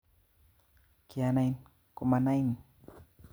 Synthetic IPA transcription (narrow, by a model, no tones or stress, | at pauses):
kianajn | kumanajn